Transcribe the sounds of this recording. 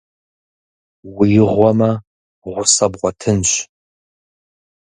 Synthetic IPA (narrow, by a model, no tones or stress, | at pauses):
wijɪʁʷɔmɐ | ʁʷʊsɐbʁʷɔtʰɨnɕ